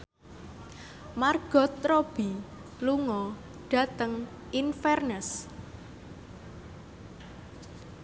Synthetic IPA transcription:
marɡ̥ɔ̤t̪ɾob̥i | luŋɔ | ɖ̥a̤t̪əŋ | infɛrnəs

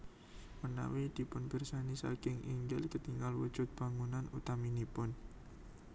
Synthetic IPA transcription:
məna̰wid̪̥i̤pʊnb̥ə̤rsanisa̰kɪŋiŋɡɪlkət̪iŋɡalwud̥ʒ̥ʊt̪̚b̥a̤ŋunanut̪aminipʊn

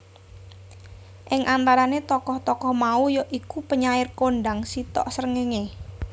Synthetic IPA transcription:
ʔɪŋʔant̪aɾanet̪ɔkɔht̪ɔkɔhmaujoʔikupəɲaɪrkoɳɖaŋsit̪ɔ̰ʔsəɾəŋeŋe

